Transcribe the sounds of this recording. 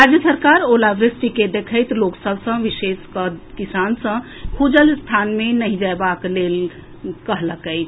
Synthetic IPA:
ɾad͡ʒjəsəɾkaɾolaʋɾɪsʈiked̪ekʰəɪt̪loksəbʱsə̃ʋiseskəkisansə̃ | kʰud͡ʒəlst̪ʰanmenəɦĩd͡ʒaebaklel | kəɦləkəɪt͡ʃʰ

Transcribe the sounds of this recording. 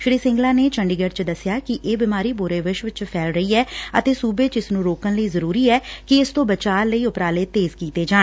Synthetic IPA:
ʃɪɾiːsɪ̃ŋɡlãːneːt͡ʃəɳɖiːɡəɖt͡ʃd̪əsɪjaːkɪʔeːbɪmaːɾiːbʊɾeːʋɪʃʋt͡ʃpʰɛːlɾəiːɛːə̰t̪eːsuːbeːt͡ʃɪsnũːɾoːkənləiːzəɾuːɾiːɛːkɪɪst̪õːbət͡ʃaːɾləiːʊpɾaːleːt̪eːzkiːt̪eːd͡ʒaː

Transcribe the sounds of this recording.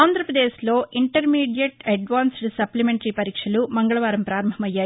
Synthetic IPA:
aːnd̪ʱɾɐpɾɐd̪eːʃlo̞ːʔiɳʈɐɾmiːɖijɐʈɐɖʋaːnsɖsɐplimeɳʈɐɾipɐɾiːkʂɐlumɐŋɡɐɭɐʋaːɾɐmpɾaːɾɐmbʱɐmɐjːaː

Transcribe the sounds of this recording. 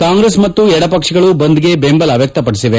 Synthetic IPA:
kaːŋɡɾesmɐt̪ːuɛɽɐpɐkʂiɡɐɭubɐnd̪iɡe̞beːmbɐlɐʋjɐk̚t̪ɐpɐɽisiʋe

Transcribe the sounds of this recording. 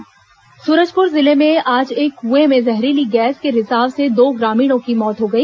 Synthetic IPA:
suːɾəd͡ʒpʊɾzɪlemẽaːd͡ʒeːkɦuemẽzɛɦɾiliɡɛːskeɾɪzaːbsed̪oːɡɾaːmiːɽ̃õkimɔːt̪ɦoɡɐiː

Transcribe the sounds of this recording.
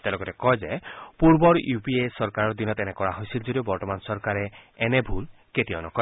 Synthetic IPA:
t̪eɛlɔɡɔtɛkɔjzepuɹbɔɹjupiesɔɹkaɹɔɹd̪inɔt̪ɛnɛkɔɹaɦojsild͡ʒodiobɔɹtɔmansɔɹkaɹɛːnɛbʱul | ketiɔnɔkɔ

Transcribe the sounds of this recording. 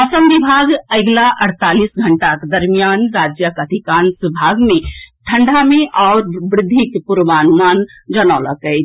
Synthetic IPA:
əsəmbibʱaɡəɪɡlaʔəɽt̪alisɡʱəɳʈaked̪əɾmijanɾad͡ʒjəkəd̪ʱikansibʱaɡmeʈʰəɳɖʱameʔaʊɾbɾɪd̪ʱːikepuɾʋanumand͡ʒənalə̰kɛjt͡ʃ

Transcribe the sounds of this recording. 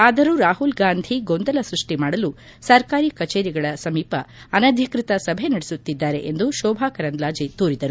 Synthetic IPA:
aːd̪ɐɾuɾaːɦulɡaːnd̪ʱiɡond̪ɐlɐsɾuʂʈimaːɽɐlu | sɐɾkaːɾikɐt͡ʃeːɾiɡɐɭɐsɐmiːpɐɐnɐd̪ʱikɾit̪ɐsɐbʱe̞nɐɽesut̪ːid̪ːaːɾe̞̰ʔend̪uʃɔːbʱaːkɐɾɐnd̪laːd͡ʒit̪uːɾid̪ɐɾu

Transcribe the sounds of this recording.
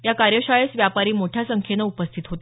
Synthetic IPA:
jakaɾjəɕaɭesʋjapaɾiːmoʈʰjasəŋkʰjenəupəst̪ʰit̪ɦot̪e

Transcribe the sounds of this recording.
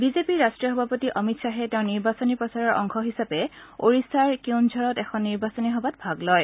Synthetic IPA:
bizepiɹastɹijɔɦɔbʱapɔtiʔɔmitsaɦɛtɛʊ̃niɹbasɔnipɹɔsaɹɔɹʔɔŋkʰɔɦisapɛoɹisaɹkiwnd͡ʒʱɔɹɔtɛxʰɔnːiɹbasɔniɦɔbatbʱaɡlɔj

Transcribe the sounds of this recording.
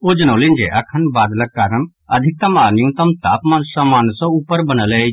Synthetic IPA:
oːd͡ʒɐñõlɪ̃nd͡ʒeʔɐkʰːənbaːd̪lɐkaːɾəɳ | ɐd̪ʱɪk̚t̪ɐmaːnɪjũt̪ɐmt̪aːpmaːnsɐmaːnsoʊpːəɾbɐñəle

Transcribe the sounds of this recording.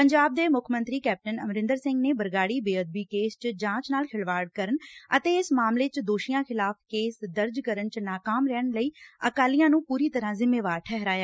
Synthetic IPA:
pəɲd͡ʒaːb̚d̪eːmʊkʰmə̃nt̪ɾiːkɛːp̚ʈənəmɾɪ̃nd̪əɾsɪ̃ŋɡneːbəɾɡaːɽiːbeːəd̪̚biːkeːst͡ʃd͡ʒãːt͡ʃnaːlkʰɪɭʋaːɽkəɾənət̪eːɪsmaːmleːt͡ʃd̪oːʃijãːkʰɪlaːpʰkeːsd̪əɾd͡ʒkəɾənt͡ʃnaːkaːmɾɛːɳləiːəkaːlijãːnũːpuːɾiːt̪əɾãːzɪmːeːʋaːɾʈʰɛɦɾaːjaː

